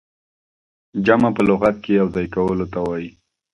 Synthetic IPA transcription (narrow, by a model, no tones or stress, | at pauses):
d͡ʒamapəlʊɣat̪̚kejawzɑjkawəlot̪awaji